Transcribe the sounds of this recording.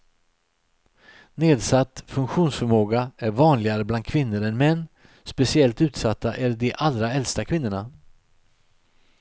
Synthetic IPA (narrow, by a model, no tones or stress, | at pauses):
neːd̪sat̪ːfɵŋkɧuːnsfœɾmoːɡaæɾvɑːnlɪɡaɾəbland̪̥̚kʰvɪnːəɾɛnmɛnː | spɛsɪɛlt̪ʉ̟ːt̪sat̪ʰːaʔæɾɖɛʔalɾaɛlst̪akʰvɪnːəɳa